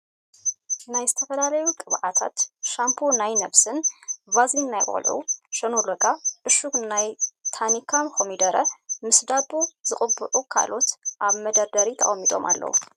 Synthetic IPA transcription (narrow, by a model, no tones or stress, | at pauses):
najzɨt̪ʰɐfɐlalɐjukʼɨβʕat̪ʰa̰t̪ʃampʰonajnɐβsɨnvazinnajkʼo̰lʕṵʃɐnolɐkʼaʔɨʃuknajt̪ʰanikʰamxomid̪ɐɾɐmɨsd̪abuzɨχʼɨbːɨʕukʰa̰lo̞t̪ʔaβmɐd̪ɐɾd̪ɐɾit̪ʰɐ̰ʔʼɐmːit̪ʼo̞̰mʔa̰lːɐ̰wṵ